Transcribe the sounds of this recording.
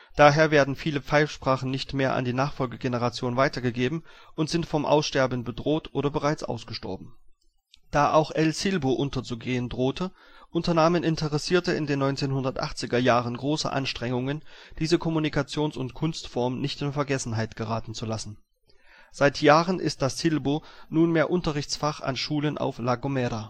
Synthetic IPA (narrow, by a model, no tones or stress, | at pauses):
d̥aːɦeːɐveːɐdn̩fiːləp͡faɪfʃpʁ̥aːχn̩nɪçtmeːɐʔa̰ndiːnaːχfɔlɡəɡenəʁat͡sjoːnvaɪtɐɡəɡeːbm̩ʔʊntz̥ɪntfɔmʔa̰ʊsʃtɛɐbn̩bədʁoːtʔoːɾɐbəʁ̞aɪt͡sʔa̰ʊsɡ̥əʃtɔ̰ɐbm̩ | d̥aːʔaʊxʔɛlsɪlboʔʊntɐt͡suɡeːəndʁoːtəʔʊntɐnaːmənɪntəʁɛsiːɐtəɪ̰ndeːnːɔʏnt͡seːnhʊndɐtʔa̰χt͡sɪɡɐjaːʁ̞ənɡʁoːsə̰ʔa̰nʃtʁ̥ɛŋʊŋənd̥iːzəkʰɔmunikʰat͡sjoːnsʊntkʰʊnstfɔɐmnɪçtɪnfɛɐɡɛsn̩ɦaɪtɡ̥əʁaːtn̩t͡sulasn̩ | z̥aɪtʰjaːʁənʔɪ̰st̚d̥asːɪlbonuːnmeːɐʔʊntɐʁ̞ɪçt͡sfaχa̰nʃuːlənʔa̰ʊflaɡomɛːɾa